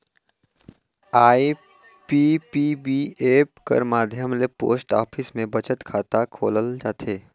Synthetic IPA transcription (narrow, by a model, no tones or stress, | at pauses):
aːi | pipibieːpkə̰ɾmaːd̪ʱjəmlepo̰ːsʈa̰ːpʰɪsmẽbɐt͡ʃət̪kʰaːt̪akʰoːləld͡ʒaːt̪ʰeː